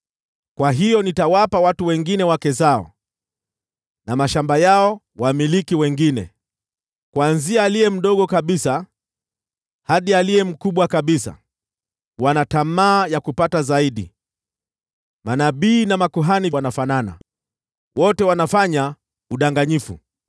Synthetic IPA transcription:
kwaɦijɔnitawapawatuwɛŋɡinɛwakɛzaɔ̰ | namaʃambajaɔ | wamilikiwɛŋɡinɛ̰ | kwanziaːlijɛm̩ɗɔɠɔkaɓisa | haɗialijɛm̩kuɓwakaɓisa̰ | wanatamaːjakupatazaiɗḭ | manaɓiːnamakuɦaniwanafanana̰ | wɔtɛwanafaɲa | uɗaŋɡaɲifṵ

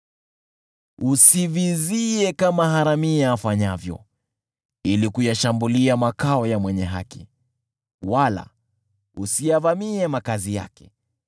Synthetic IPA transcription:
usiviziɛkamaɦaɾamiaːfaɲavjɔ̰ | ilikujaʃambuliamakaɔjamwɛɲɛɦa̰ki | wala̰ | usijavamiɛmakazija̰kɛ̥

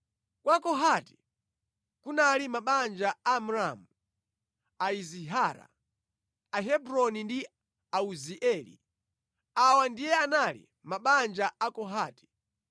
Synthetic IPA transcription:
kwakɔɦati̥ | kunalimaɓand͡ʒaamuɾamu | aiziɦaɾa̰ | aɦɛbɾɔnindi | auziʔɛlḭ | awandijɛanalḭ | maɓand͡ʒaʔakɔɦaːti̥

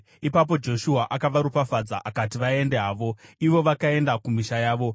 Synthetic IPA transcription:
ipap̬o̞d͡ʒo̞ʃuɦaʔakaʋaɾupafad͡za̰ʔakat̬iʋae̞nde̞ɦaːʋo̞iʋo̞ʋakae̞ndakumiʃajaːʋo̞

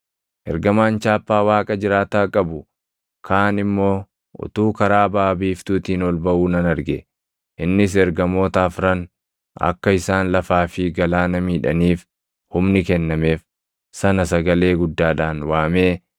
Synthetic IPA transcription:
ʔɛɾɡɐmaːnt͡ʃaːpːaːwaːkʼɐd͡ʒɪɾaːt̪aːkʼɐbʊ | kʰaːnɪmːo̞ː | ʔʊ̰t̪uːkɐɾaːbaːbiːft̪uːt̪iːnɔlbɐʔuːnɐnɐɾɡɛ | ʔɪnːɪs̬ɛɾɡɐmo̞ːt̪aːfɾɐn | ɐ̰kːɐɪsaːnlɐfaːfɪɡɐlaːnɐmiːᶑɐ̰niːf | hʊmnɪkɛnːɐme̞ːf | sɐnɐsɐɡɐle̞ːɡʊd̪ːaːᶑaːnwaːmeː

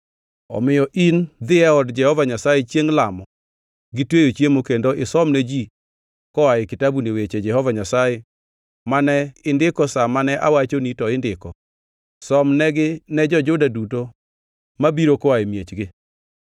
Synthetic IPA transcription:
ɔ̰mɪjɔʔind̪ɪɛɔdd͡ʒɛhɔvaɲasajɛt͡ʃjeŋlamɔ | ɡɪtwejot͡ʃjemokendoɪsɔmned͡ʒi | kɔaɪkɪtabunewet͡ʃed͡ʒɛhɔvaɲasajɛ | manɛɪndɪkɔsamanɛʔa̰wat͡ʃonitɔɪndɪkɔ | sɔmnɛɡɪnɛd͡ʒɔd͡ʒʊdaduto | mabiɾokɔaemjet͡ʃɡɪ

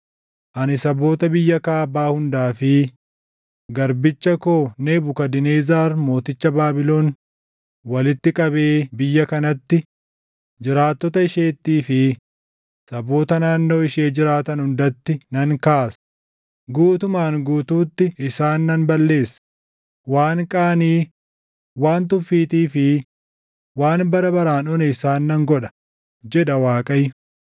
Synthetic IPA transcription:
ʔɐnɪsɐbo̞ːt̪ɐbɪjːɐkaːbaːhʊnd̪aːfɪ | ɡɐɾbɪt͡ʃːɐko̞ːneːbʊkɐd̪ɪneːzaːɾmo̞ːt̪ɪt͡ʃːɐbaːbɪlo̞ːn | wɐlɪt̪ːɪkʼɐbe̞ːbɪjːɐkɐnɐt̪ːɪ | d͡ʒɪɾaːt̪ːɔt̪ɐɪʃe̞ːt̪ːiːfɪ | sɐbo̞ːt̪ɐnaːnːo̞ːɪʃeːd͡ʒɪɾaːt̪ɐnhʊnd̪ɐt̪ːɪnɐŋkaːsɐ̥ | ɡuːt̪ʊmaːnɡuːt̪uːt̪ːɪɪsaːnːɐnbɐlːe̞ːsːɐ̥ | waːŋkʼaːniː | waːnt̪ʊfːiːt̪iːfɪ | waːnbɐɾɐbɐɾaːnɔnɛɪsaːnːɐŋɡɔᶑɐ̥ | d͡ʒɛᶑɐwaːkʼɐjʊ

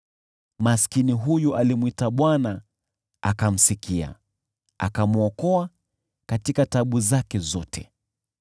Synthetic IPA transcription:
maskiniɦujuʔalimwitaɓwana | a̰kam̩sikia̰ | a̰kamuɔkɔa | katikataɓuzakɛzɔtʰɛ

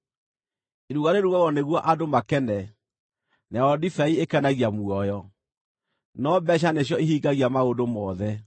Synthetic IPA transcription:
eɾuɣaɾeɾuɣaɣɔneɣwɔʔadomakɛnɛ | nɛɔdifɛiekɛnaɣiamuɔjɔ | nɔbɛɕ̬aneɕ̬jɔeɦiːɡaɣiamaodomɔːðɛ

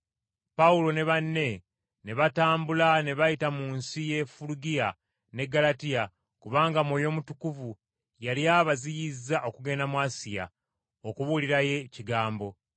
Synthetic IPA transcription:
paulo̞ne̞βanːe̞ | ne̞βataːmbulane̞βajitamuːnsije̞fuluɡija | ne̞ɡalatija | kuβaːŋɡamwo̞jo̞ːmutukuvu | jaljaːβazijizaʔo̞kuɡe̞namwaːsija̰ | okuβuliɾaje̞ciɡaːmbo̞

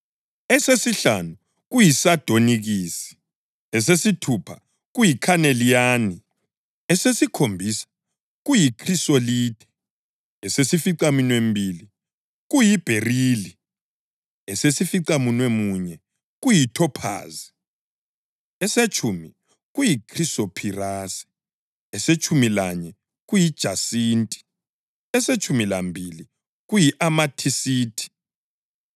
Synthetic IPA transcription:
ɛsesiɬa̰nu | ɣujisad̥ʱoniɣiːsi̥ | ɛsesitʰupʰa | ɣujikʰanelijaːni | ɛsesikʰombʱisḁ | ɣujikʰrisoliːd̥ʱɛ̥ | ɛsesifiǀaminwembʱili | ɣujib̥ʱeriːli | ɛsesifiǀamunwemuɲɛ | ɣ̬ujitʰɔpʰa̰ːzi | ɛset͡ʃʼʰumi | ɣujikʰʼrisopʰiraːsi̥ | ɛset͡ʃʼʰumilaɲɛ | ɣujid̥ʒ̥ʱasiːntʼi̥ | ɛset͡ʃʰʼumilambʱili | ɣujiʔamatʰisiːtʰi̥

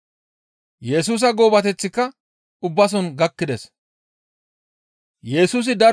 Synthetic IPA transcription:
jɛs̬uːs̬ɐɡo̞ːbɐt̪ɛt͡sːɪkːɐ | ʊbːɐs̬ɔnɡɐkːɪd̪ɛs | jɛsuːs̬ɪd̪ɐɾ

